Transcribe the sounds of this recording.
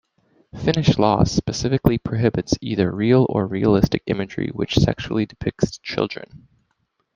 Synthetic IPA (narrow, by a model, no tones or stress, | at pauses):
fɪ̃nɨʃlɔ̰spɨsɪfɨklipʰɹ̥oɦɪbɨtsiðə˞ɹil̩ˠə˞ɹiəlɪstɨkɪ̰̃mɨd͡ʒɹḭwɨ̰t͡ʃsɛ̰kʃul̩ˠidɨpʰɪk̚tst͡ʃʰɪ̰lˠdɹɨ̰̃n